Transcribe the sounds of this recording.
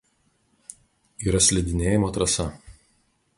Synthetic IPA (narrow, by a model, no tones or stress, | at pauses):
iːɾɐsʲlʲɛd̪ʲɪnʲeːjɪmoːt̪ɾɐsɐ